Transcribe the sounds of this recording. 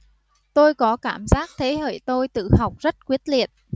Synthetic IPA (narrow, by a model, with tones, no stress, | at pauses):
t̪o˧jkɔ˨˦kaː˧˩mzaː˦˥k̚t̪ʰe˨˦ɦḛ˧˩jt̪o˧jt̪ɨ̰˧˨ɦa˨˩wk͡p̚zə˦˥t̚kwi˦˥ət̚li˨ət̚